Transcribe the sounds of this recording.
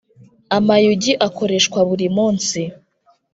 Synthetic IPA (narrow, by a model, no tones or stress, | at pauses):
amajuɟiʔako̞ɾe̞ʃkwaβuɾimuːnsi